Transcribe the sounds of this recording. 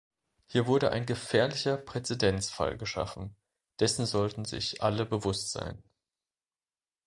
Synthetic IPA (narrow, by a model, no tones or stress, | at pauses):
hiːɐvʊɐɾəʔa̰ɪnɡəfɛːɐlɪçɐpʁ̥ɛt͡sɛdɛnt͡sfa̰lɡəʃa̰fn̩ | d̥ɛsn̩zɔltn̩zɪ̰çʔaləbəvʊstz̥a̰ɪn